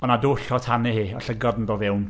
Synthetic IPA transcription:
ɔnadʊɬɔtʰanɪhiːɔɬəɡɔdn̩boːvɪwn

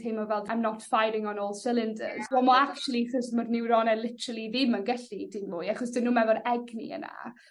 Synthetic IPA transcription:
θʰemɔvɛlˠdajmnɔtfajɾɪŋɔnoːlˠsɪlˠɪndə̰zɔmɔakt͡ʃulˠiχəsmɔrnɪwɾɔnɛlˠɪtʰəɾəlˠiðɪmənɡəɬidɪnmuːjaχɔsd̥ɪnːuːmɛvɔɾɛɡnḭə̰na̰

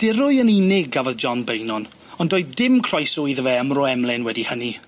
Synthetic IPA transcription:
d̥ɪɾʊjəninɪɡavɔðd͡ʒɔnbejnɔn | ɔndoːɨðdɪmkʰr̥ɔjsʊjðəvɛəmrɔɛmlˠɪnwɛdihəni

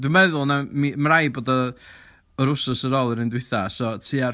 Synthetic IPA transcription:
d̥wumɛðʊlˠnamimrajboːdɔ | əɾʊsʊsəɾoːlˠəɾɪndwɪθasɔtʰiːa

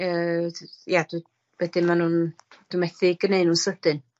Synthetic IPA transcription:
əːjad̥u | vɛdɨmanund̥umɛθɪɡəneɨnuːnsəd̥ɨn

